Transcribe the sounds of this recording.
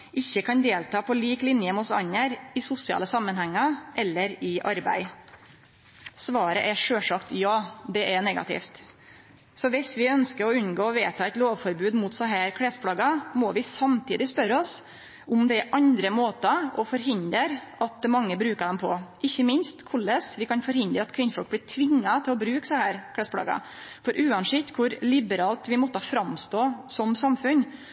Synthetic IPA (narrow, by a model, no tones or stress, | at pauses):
ʔɪçːəkʰɑnd̪eːlt̪ɑːpʰɔliːklɪnjəmʊsɑ̰ɲːəɾɪsʊsɪɑ̰ːləsɑmːənhɛŋːɑʔɛlːəɾɪʔɑɾbæ̰ɪ | sʋɑːɾə̰ʔɛʂøːʂɑkt̪jɑːd̪ɛʔɛnɛɡɑ̰t̪ʰɪ̰ːft̪ | sɔʋɪsʋɪœnskəɾɔʉnɡoːɔʋeːt̪ʰɑːɛɪt̪loːʋfɔɾbʉːd̪mʊt̪sɑɦæːɾkʰɽɛːspʰɽɑːɡɑmɔʋɪsɑmt̪ʰiːd̪ɪspœɾɔs | ʊmd̪ɛʔɑnd̪ɾəmoːt̪ɑɔfɔɾɦɪnd̪əɾʔɑt̪̚mɑŋːəbɾʉːkəd̪ɛmpʰɔʔɪçːəmɪnst̪kʰʊlːəsʋɪkʰɑnfɔɾhɪnd̪ɾəɑt̪kʰʋɪnfɔk̚blɪːʈʰʋɪŋːɑt̪ʰɪlɔbɾʉːksɑhæːɾkʰɽɛspʰɽɑ̰ɡɑ̰ | fɔɾʔʉːɑnsɪkt̪kʰʊɾlɪbəɾɑːlt̪ʋɪmɔt̪ːəfɾɑmst̪oːsɔmsɑmfʉn